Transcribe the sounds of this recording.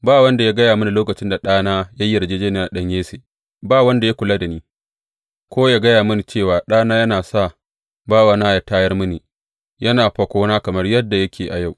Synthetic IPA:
baː˦˨wɐ˦nda˨ja˦ɡɐ˦jaː˨mʊ˦ni˨loː˦kɐ˨t͡ʃɪ˦nda˨ɗaː˦naː˦ja˦jːɐ˨rd͡ʒeː˦d͡ʒeː˦nɪ˨a˨ɗɐ˦ɲjeː˦seː˨ | baː˦˨wɐ˦nda˨ja˦kʷʊ˨laː˦da˨niː˦ | kʷoː˦jaː˦ɡɐ˦jaː˨mʊ˦ni˨t͡ʃeː˦˨waː˨ɗaː˦naː˦jɐ˦naː˨sa˦˨ | baː˦˨wɐ˦naː˦ja˨taː˦jɐ˦rmʊ˦ni˨ | jɐ˦naː˨ɸɐ˨kʷoː˦naː˦kɐ˨mɐ˦rjɐ˦dːa˨jɐ˦kʲeː˨ʔa˨ja˦˨w

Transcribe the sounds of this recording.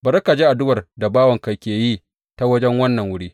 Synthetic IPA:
bɐ˨ɾka˨d͡ʒi˦ʔa˨dʊ˦wɐ˨rda˨baː˦wɐ˨ŋka˦kʲeː˨jiː˦ | ta˦wɐ˦d͡ʒɛ˦ŋwɐ˦nːɐ˨ŋwʊ˦ɽiː˦

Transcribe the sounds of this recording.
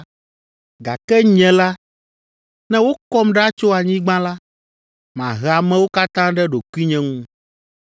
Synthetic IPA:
ɡa˨kɛ˦ɲɛ̃˨la˦ | nɛ̃˦wo˦kɔ˦mɖa˦t͡ʃo˦a˨ɲĩ˦ɡ͡bã˦la˦ | mã̰˨ɦɛ˨a˨mɛ̃˦wo˦ka˦t̪ã˦ɖɛ˦ɖo˨ku˦i˦ɲɛ̃˦ŋũ˦

